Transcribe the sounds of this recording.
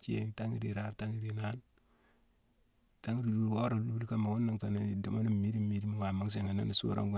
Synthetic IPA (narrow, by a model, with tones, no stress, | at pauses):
t͡ʃe˦˨ta˦ŋḭ˦ɾi˨ɾa˦ɾta˦ŋi˦ɾi˨na˦n | ta˦ŋi˦ɾi˨du˦ɾwo˦ɾo˨lu˦li˦ka˦ma˨ŋu˦nːa˦ŋka˨na˨˦˨da˨ma˦ni˦mi˦ɾi˦mi˦ɾi˦mi˦wa˨ma˦ŋ˦s̬e˨ŋa˨na̰˦ni˨sṵ˦ɾo̰˦ɡu˦